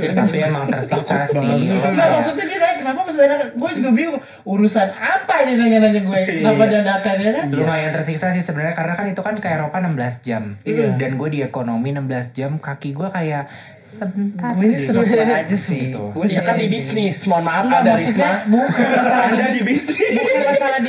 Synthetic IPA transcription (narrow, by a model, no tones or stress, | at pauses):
t̪apiamaŋt̪ərsiksasinamaksuk̚ɲad͡ʒinakənapamas̬t̪aɲakaɡuad͡ʒuɡabiu | uɾusanapaininaɲanaɲaɡuɛnamadandakanɲakanɾumahjaŋt̪ərsiksasihsəbənarɲakaɾənakanit̪ukankajaɾopanəmbəlasd͡ʒamdanɡuɛdiekonominəmbəlasd͡ʒamkakiɡuɛkajaʔ | səbənt̪aɡuasənəsaad͡ʒasɪt̪uɡuaakandibisnɪsmamaːamaksʊkɲabukanasaladiiibisnbukanmasaladi